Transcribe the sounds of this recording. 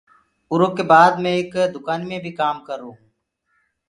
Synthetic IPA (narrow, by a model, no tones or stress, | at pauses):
ʊɾoːkeːbaːd̪mẽːɪːkd̪ʊkaːnmẽbʱiːkaːmkəɾːoːɦũː